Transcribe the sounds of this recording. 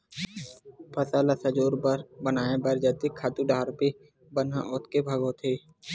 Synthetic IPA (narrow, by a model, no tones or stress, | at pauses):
pɐsalasəd͡ʒoːɾbəɾbənaːẽbəɾd͡ʒɐt̪ikʰaːt̪uɖaːɾpi | bənãʔʊt̪kebʱɐɡõt̪ʰeː